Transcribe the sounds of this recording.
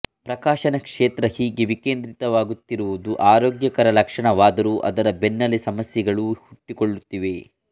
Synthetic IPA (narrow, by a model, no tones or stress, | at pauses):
pɾɐkaːʃɐnɐkʂeːt̪ɾɐhiːɡeʋikeːnd̪ɾit̪ɐʋaːɡut̪ːiɾuʋud̪uʔaːɾoːɡjɐkɐɾɐlɐkʂɐɳɐʋaːd̪ɐɾuʔɐ̰d̪ɐɾɐbenːɐlisɐmɐsjɐɡɐɭuhuʈːikoɭːut̪ːiʋe̞